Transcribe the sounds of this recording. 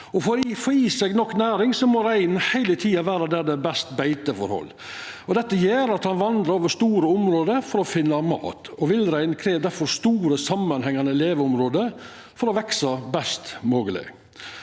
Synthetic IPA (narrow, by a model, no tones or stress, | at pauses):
ɔfɔɾfɔɾjiːsɛɡnɔkːnæːɾɪŋsɔmɔɾæɪnhæɪlət̪ʰiːɑʋæːɾɑd̪æd̪ɛbɛst̪bæɪt̪əfɔ̰ɾhɔ̰lː | ɔd̪ɛt̪ːəjeːɾɑt̪hɑnʋɑnd̪ɾɑɾoːʋəʂt̪uːɾəʊmɾoːd̪əfɔɾɔfɪnːɑmɑ̰ːt̪ɔʋɪlɾæɪnkʰɾeːʋd̪æɾfɔɾst̪uːɾəsɑmːɑnhɛŋːɑnəleːʋəʊmɾoːd̪ə | fɔɾɔʋɛksɑbɛst̪moːɡəlɪ̰